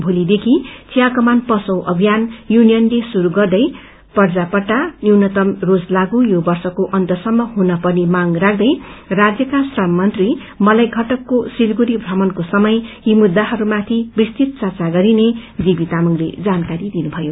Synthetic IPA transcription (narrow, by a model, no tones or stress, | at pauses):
bʱulid̪ekʰit͡sijakʌmanpʌsʌwʔʌbʱijanjunijʌnlesuɾuɡʌrd̪ʌj | pʌrd͡zapʌʈːaniwnʌt̪ʌmrod͡zlaɡujobʌrsʌkoʔʌnt̪ʌsʌmːʌɦunʌpʌnimaŋrak̚ʰd̪ʌjrad͡zjʌkasrʌmːʌnt̪ri | mʌlajɡʱʌʈʌkːosilɡuɾibʱrʌmʌnkosʌmʌjimud̪ːaɦʌɾumat̪ʰibist̪it̪̚t͡sʌrt͡saɡʌɾined͡zibit̪amʌŋlḛd͡zankaɾid̪inubʱʌjo